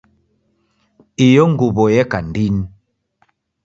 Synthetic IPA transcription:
ijɔŋɡuβɔjɛkandin

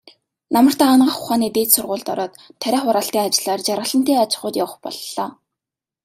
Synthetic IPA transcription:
namə̆r̥t̪ʰaːaːnɢə̆χʊχaːniːt̪eːt͡ssʊrʁʊːɮt̪ɔɾɔːt̪ʰːæɾʲæːχʊɾaːɬt̪iːŋat͡ɕɪ̆ɮaːrt͡ɕarʁə̆ɮə̆n̥t̪eːat͡ɕɪ̥̆χʊːt̪jawə̆χpɔ̰ɮɔː

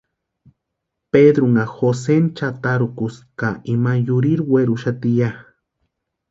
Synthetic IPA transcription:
ped̪ɾuŋaxosent͡ʃat̪aɾukuskaimajuɾiɾweɾuʃat̪ija

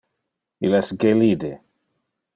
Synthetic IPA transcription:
ilɛsɡelid̪e

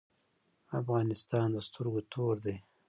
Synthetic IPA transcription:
afɣɑnɪst̪ɑnd̪əst̪əɾɡot̪ʰoɾd̪ej

